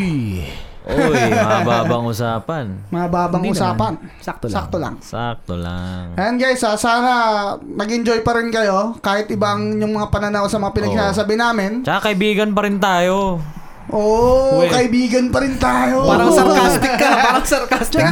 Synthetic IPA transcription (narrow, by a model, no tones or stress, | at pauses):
j | ʔoɐaba̰ːbɐŋʔʊsaːpɐnmɐŋɐbaːbɐŋʔʊsaːpɐn̚ | sak̚t̪ola̰ŋsak̚t̪o̰la̰ŋɐjanɡajsasaːnɐnɐɡɪnɲd͡ʒojpɐɾɪnkɐjo̞kaːhɪt̪̚ʔɪbaɐŋjʊŋmɐŋapɐnɐnawsɐmɐŋapɪnɐɡ̚saːs̬abɪnaːmɪnt͡ʃɐakɐʔɪbiːɡɐnpɐɾɪnt̪aːjo | ʔoːkɐʔɪbiːɡɐnpɐɾɪnt̪aːjoaːɐsɐkast̪ɪkːɐpaaːɾɐŋsɐlkast̪ɪ